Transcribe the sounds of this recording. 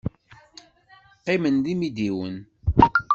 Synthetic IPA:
qːɪmənðimid̪iwə̰n

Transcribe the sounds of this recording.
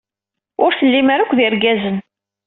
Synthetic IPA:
ʊɾθəlːimaɾakʷːðɪɾɡæzən

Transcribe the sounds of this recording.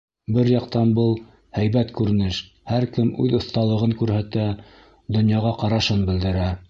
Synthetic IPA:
bɘɾjɑqt̪ɑnbɤlˠ | hæjβæt̪kʉɾɘ̆nɘʃ | hæɾkɘmʉ̰ðŏθt̪ɑlˠɤ̆ʁɤŋkʉɾhæt̪æ | d̪ŏnjɑʁɑqɑɾɑʃɤnbɘ̆ld̪ɘ̆ɾæ

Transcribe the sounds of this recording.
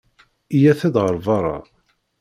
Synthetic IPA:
ijæθæd̪ʁəɾˤvɑɾˤɑ̰

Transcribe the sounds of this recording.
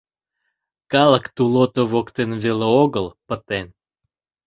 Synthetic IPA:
kɑləkt̪ulot̪oβokt̪enveleoɣəlˠpət̪en

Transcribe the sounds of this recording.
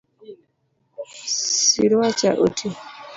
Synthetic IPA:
siɾwat͡ʃaʔotʰi

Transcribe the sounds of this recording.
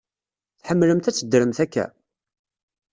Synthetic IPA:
θħəmːləmt̪æt͡sːəd̪ːɾəmθækːæ̰

